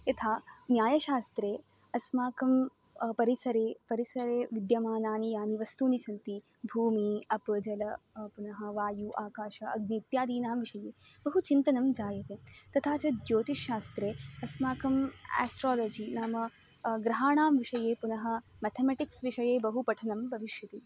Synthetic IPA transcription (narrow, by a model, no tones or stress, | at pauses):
ɐt̪ʰaːnjaːjɐʃaːst̪ɾeː | ɐsmaːkɐm | pɐɾisɐɾeːpɐɾisɐɾeːʋid̪jɐmaːnaːnijaːniʋɐst̪uːnisɐnt̪i | bʱuːmiɐpɨd͡ʒɐlɐ | punɐɦɐʋaːjuʔaːkaːʃɐɐɡ̚niːt̪jaːd̪iːnaːmʋiʂɐjeː | bɐɦut͡ʃint̪ɐnɐmd͡ʒaːjɐt̪eːt̪ɐt̪ʰaːt͡ʃɐd͡ʒoːt̪iʃːaːst̪ɾeːɐsmaːkɐmɛ̰ːsʈɾaːloːd͡ʒinaːmɐ | ɡɾɐɦaːɳaːmʋiʂɐjeːpunɐɦɐ̆mɛt̪ʰemeʈiksʋiʂɐjeːbɐɦupɐʈʰɐnɐmbʱɐʋiʃjɐt̪i